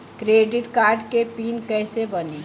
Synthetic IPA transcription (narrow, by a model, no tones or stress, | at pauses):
kɾeːɖɪʈkaːɾɖkepiːnkɛːsebɐneː